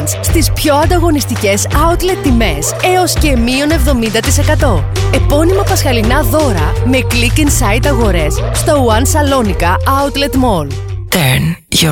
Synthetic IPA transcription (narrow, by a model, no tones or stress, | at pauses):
sst̪ispço̞ɐnd̪ɐɣo̞nist̪ice̞sɐut̪le̞t̪ːime̞se̞o̞sce̞mio̞ne̞vðo̞mind̪ɐt̪ise̞kɐt̪o̞e̞po̞nimɐpɐsxɐlinɐðo̞ɾɐme̞klikinsɐit̪ɐɣo̞ɾe̞sst̪o̞uɐnsɐlo̞nikɐɐut̪le̞t̪mo̞l | t̪en